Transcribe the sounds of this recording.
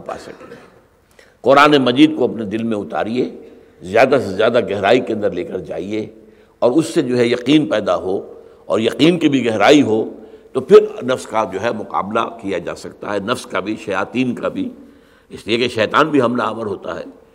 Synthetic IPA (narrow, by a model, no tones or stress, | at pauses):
pa̰ːsɐ̰k̚t̪eɦɛ | qɔɾaːnemɐd͡ʒiːd̪̚koɐpned̪ɪlmẽʊt̪a̰ːɾie | zjaːd̪asezjaːd̪aɡɛɦɾaːikeɐ̃nd̪əɾleːkəɾd͡ʒa̰ːie | ɔːɾʊsːed͡ʒoːɦɛjɐqiːnpɛːd̪aɦo | ɔ̰ːɾjɐqiːnkibʱiɡɛɦɾaːiɦot̪opʰɪɾnɐfskad͡ʒoːɦɛmʊqa̰ːbla̰kijad͡ʒa̰ːsɐkt̪a̰ɦɛnɐfskabʱiʃɐjaːt̪iːnkabʱi | ɪsliekeʃɛːt̪aːnbʱiɦɐmnaːməɾɦoːt̪a̰ɦɛ̰ː